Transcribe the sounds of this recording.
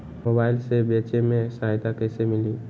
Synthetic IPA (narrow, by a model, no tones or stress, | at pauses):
moːbaːɪlsebeːt͡ʃemẽsaːjt̪akɛːsemɪliː